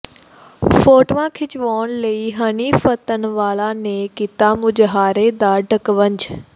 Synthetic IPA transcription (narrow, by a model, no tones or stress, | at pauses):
foːʈʋãkʰɪt͡ʃʋoːnlɐiɦɐniːfət̪ənʋaːlaːnẽkɪt̪aːmʊd͡ʑɦaːɾed̪aːɖʱəkʋəɲd͡ʑ